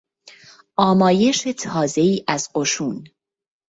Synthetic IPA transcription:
ʔɒːmɒːje̞ʃe̞t̪ʰɒːze̞iːʔæzɢoʃuːn

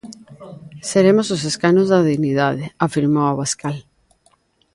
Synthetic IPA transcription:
seɾemosos̬eskanozðaðiɣnið̞aðeafiɾmowaβaskal

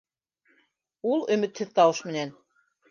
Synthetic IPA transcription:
ulˠɵ̆mɘ̆t̪hɘðt̪ɑwɤʃmɘ̆næn

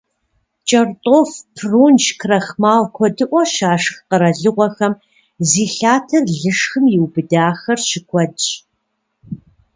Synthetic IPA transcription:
t͡ʃʼɐrtʼoːfpʰruːnʃkʰrɐxmaːwkʷʰɔdɨʔʷɔʃaːʂxqəɾɐɮɨʁʷɔxɐm | ziːɬaːtʰɐrɮɨʂxɨmjɪwbɨdaːxɐrɕɪkʷʰɔdt͡ʃʼ

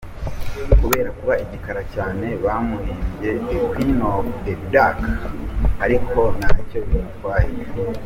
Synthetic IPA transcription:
kuβe̞ːɾakuβaiɟikaɾacaːne̞βamuɾiːmbɟe̞kwinodebidak | haɾikʰo̞naːco̞βitwaːhiɾe

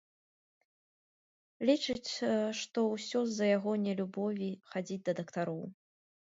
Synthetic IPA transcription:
lʲit͡ʂɨt͡sʲʂt̪ɔwsʲɔzːɐjaɣɔnʲɛlʲubɔvʲixad͡zʲid͡zʲd̪ɐd̪ɐkt̪aɾɔw

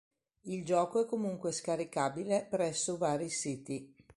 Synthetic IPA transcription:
ild͡ʒɔːkoɛkːomuŋkweskaɾikaːbilepɾɛsːovaːɾisiːt̪i

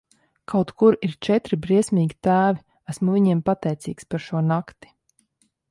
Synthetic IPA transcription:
kʰawt̪kuɾiɾt͡ʃɛt̪ɾibɾiɛsʲmʲiːɡʲit̪æːvi | æsmuviɲiɛmpat̪ɛjt̪siːkspaɾʃuɔnakt̪i̥

